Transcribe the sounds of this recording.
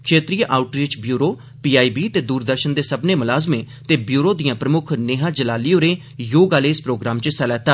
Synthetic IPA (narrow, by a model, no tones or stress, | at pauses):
kʰeːt̪ɾiːjəʔaːʊʈɾiːt͡ʃbjuːɾoː | piːaːiːbiːt̪eːd̪uːɾd̪əɾʃənd̪eːsəbneːmʊlaːzmẽː | t̪eːbjuːɾoːd̪ijãːpɾəmʊkʰneɦãːd͡ʒəlaːliːoːɾeː | joːɡaːleːspɾoːɡɾaːmt͡ʃsɛlɛːt̪aː